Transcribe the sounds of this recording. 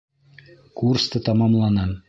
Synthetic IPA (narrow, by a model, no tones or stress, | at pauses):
kurst̪ɤt̪ɑmɑmlˠɑnɑ